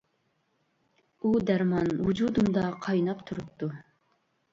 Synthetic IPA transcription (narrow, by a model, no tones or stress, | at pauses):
ud̪æɾmɑnwud͡ʒud̪umd̪ɑqʰɑjnɑpt̪ʰuɾup̚t̪ʰːu